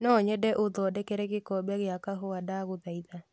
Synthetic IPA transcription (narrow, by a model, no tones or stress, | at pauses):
nɔɲɛdɛʔoðɔdɛkɛɾɛɣɪkɔbaɣɪakaɦoadaɣʊðaiða